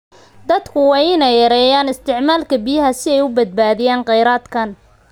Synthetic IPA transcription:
d̪ɐd̪kʰʊwɑːjɪnɛjɐɾɛːjaːnɪst̪ʰɪʕmaːlkʰɐbɪjɐɦɐsɪɛjʊbɐd̪̚baːðɪjaːnqɑjɾaːd̪kʰɐn

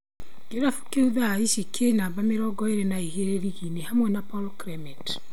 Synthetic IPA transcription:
ɡ̥eɾafu̥keuðaːiʃikʰenaːbameɾɔɡɔeɾenaeheɾeɾiɣinehamwɛnapɔlkɾɛmɛt

